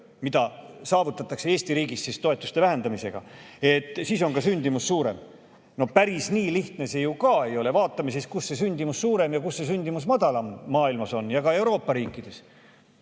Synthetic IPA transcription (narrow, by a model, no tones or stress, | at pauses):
mid̪̥ɑsɑːvut̪ːˑɑt̪ːˑɑkseeːst̪iɾiːɡissist̪o̞e̞t̪ːˑust̪e̞væɦe̞nd̪̥ɑmise̞̰ɡ̥ɑ̰e̞t̪ːˑsiːso̞nɡɑsynʲd̪̥imussuːɾe̞̰m | no̞pæɾisniːliht̪ne̞se̞jukɑe̞jo̞le̞vɑːt̪ːˑɑmiseskusːe̞s̬ynʲd̪imusːuːɾe̞mjɑkusːe̞s̬ynʲd̪̥imusmɑd̪ɑlɑmːɑːilmɑso̞njɑɡɑe̞wɾo̞ːpːɑɾiːkːˑid̪̥e̞s